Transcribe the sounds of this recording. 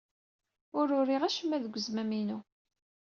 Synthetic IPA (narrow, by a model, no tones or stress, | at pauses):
ʊɾʊɾiʁæʃəmːæðəɡʷːəzmæminu